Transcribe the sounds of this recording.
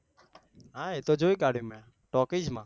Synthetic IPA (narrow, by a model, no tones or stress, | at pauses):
ɦaːet̪oːd͡ʒoːiːkaːɽ̤jũːmɛ̃ː | ʈoːkiːd͡ʒmãː